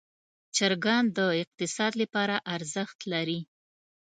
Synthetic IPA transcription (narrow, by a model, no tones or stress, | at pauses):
t͡ʃaɾɡɑnd̪əɪq̚t̪ɪsɑd̪lapɑɾaʔaɾzəxt̪laɾi